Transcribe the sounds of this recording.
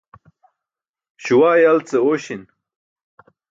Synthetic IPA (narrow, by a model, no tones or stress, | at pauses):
ɕuwaːjalt͡seoɕin